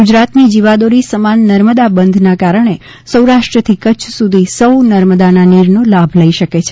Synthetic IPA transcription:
ɡʊd͡ʒɾat̪nid͡ʒiʋad̪oɾisəmanːəɾməd̪abənd̪ʱnakaɾəɳ̃e | səwɾaʃʈɾət̪ʰikət͡ʃʰsud̪ʱisəwnəɾməd̪ananiɾnolabʱləiʃəket͡ʃʰe

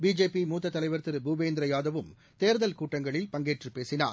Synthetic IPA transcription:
biːd͡ʒeːpimuːt̪ːɐt̪ːɐlɐɪʋɐɾt̪ɪɾɯbubeːnd̪ɪɾɐjaːðɐʋɯm | t̪eːɾðɐlkuːʈːɐŋɡɐɭɪlpɐŋɡeːʈrɯpeːsɪna̰ːɾ

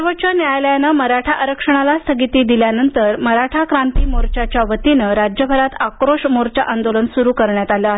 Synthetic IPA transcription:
ʋət͡ɕənjajljanəməɾaʈʰaʔəɾəkʂəɳ̃alast̪ʰəɡit̪iːd̪iljanənt̪əɾməɾaʈʰakɾant̪iːmoɾt͡ɕat͡ɕjaʋət̪inəɾad͡ʑjəbʱəɾat̪akɾoʂmoɾt͡ɕaʔand̪olənsuɾuːkəɾɳjat̪aljəaɦe

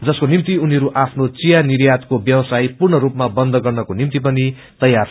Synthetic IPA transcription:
d͡zʌskonimt̪iuniʌɾuʔapʰnot͡sijaniɾjat̪kobjʌwʌsajpurɳʌɾupmabʌnd̪ʱʌɡʌrnʌkonimt̪ipʌni | t̪ʌjːar

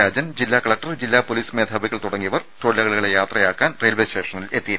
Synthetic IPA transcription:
aːd͡ʑɐnd͡ʑilːaːkɐɭɐk̚ʈɐrd͡ʑilːaːpoliːsme̞ːd̪ʱaːbiɣːɐɭt̪uɽɐŋːijɐʋɐrt̪oːlːɐɣɐɭɣɐɭejaːt̪rɐjaːkːaːnreːlʋesʈeːʂɐnile̞t̪ːijɐ

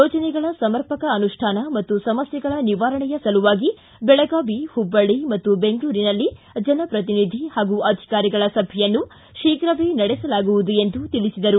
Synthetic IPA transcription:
joːt͡ʃɐnɛɡɐɭɐsɐmɐɾpɐkɐɐnuʂʈʰaːnɐmɐt̪ːusɐmɐsjɐɡɐɭɐniʋaːɾɐɳɛjɐsɐluʋaːɡi | bɛɭɐɡaːʋihubːɐɭimɐt̪ːubeŋɡɭuːɾinɐlːi | d͡ʒɐnɐpɾɐt̪̬inid̪ʱihaːɡuʔɐd̪ʱi̥kaːɾiɡɐɭɐsɐbʱɛjɐnːu | ʃiːkɾɐʋeːnɐɽɛsɐlaːɡuʋud̪ue̞nd̪ut̪iɭisid̪ɐɾu

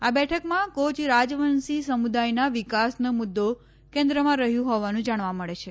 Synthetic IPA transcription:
abɛʈʰəkmãkot͡ʃɾad͡ʒʋənsisəmud̪ajnaʋikasnəmʊd̪ːo | kẽnd̪ɾəmãɾəɦjũɦɔʋanũd͡ʒaɽ̃ʋaməɭet͡ʃʰe

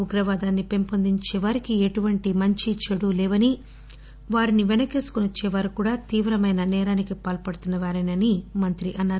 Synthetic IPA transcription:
uɡɾɐʋaːd̪aːnːipe̞mpond̪iɲt͡ʃɛːʋɐɾikieʈuʋɐɳʈimɐɲt͡ʃit͡ʃɐɽulɛːʋɐni | ʋaːɾiniʋenɐkeːsu̥kunɐt͡ʃːeːʋaːɾukuːɽaːt̪iːʋɾɐmɐjnɐnɛːɾaːnikipaːlpɐɽut̪unːɐʋaːɾɐnɐnimɐnt̪ɾiʔɐnːaːɾ

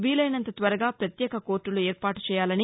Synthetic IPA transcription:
ʋiːlɐjnɐnt̪ɐt̪ʋɐɾɐɡaːpɾɐt̪jɛːkɐko̞ːɾʈːulueːɾpaːʈu̥t͡ʃɛːjaːlɐni

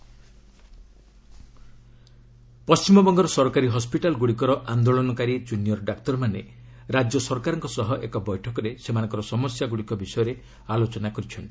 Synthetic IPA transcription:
pɔst͡ʃimɔbɔŋɡɔɾɔsɔɾkaɾiɦɔspiʈalɡuɽikɔɾɔʔand̪oɭɔnɔkaɾid͡ʒunjɔɾɖakt̪ɔɾmane | ɾad͡ʒjɔsɔɾɔkaɾɔŋkɔsɔɦɔʔekɔbɔjʈʰɔkɔɾesemanɔŋkɔɾɔsɔmɔsjaɡuɽikɔbisɔjɔɾe | alot͡ʃɔnakɔɾit͡ʃʰɔnt̪i̥

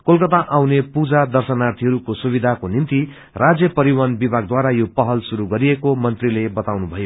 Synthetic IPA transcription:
kolkʌt̪aʔawnepud͡zad̪ʌrsʌnart̪ʰiɦʌɾukosubid̪ʱakonint̪i | rad͡zjʌpʌɾiwanbibʱaɡ̚d̪waɾajopʌɦʌlsuɾuɡʌɾiekomʌnt̪rilebʌt̪awnubʱʌjo

